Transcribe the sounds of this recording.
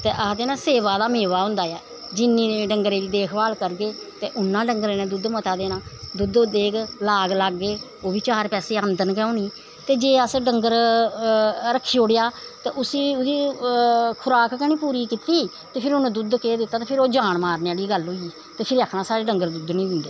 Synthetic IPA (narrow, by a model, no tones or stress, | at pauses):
t̪ḛːʔad̪eːnãːseːʋaːd̪aːmeːʋaːɦʊ̃nd̪aːɛː | d͡ʒɪnːĩːɖəŋɡɾeːliːd̪eːkʰbaːlkəɾɡeːt̪eːʔʊnːãːɖəŋɡɾeːnẽːd̪ʊd̪mət̪aːd̪eːnãːd̪ʊd̪od̪eːkʰlaːɡlaɡːeː | oːbiːt͡ʃaːɾpɛːseːənd̪ənkɛ̃ːõːniː | t̪eːd͡ʒeːəsɖəŋɡəɾ | ɾəkʰːiːoɽejaːt̪eːʔʊsiːʊd̪iː | kʰʊɾaːkkɛñĩːpuːɾiːkɪt̪iː | t̪eːpʰɪɾʊnd̪ʊd̪keːd̪ɪt̪ːaːt̪eːpʰɪɾoːd͡ʒaːɳmaːɾneaːɽiːɡəlɦoːiiː | t̪eːpʰɪɾəkʰnãːsaːɾeːɖəŋɡəɾd̪ʊd̪nĩːʊnd̪eː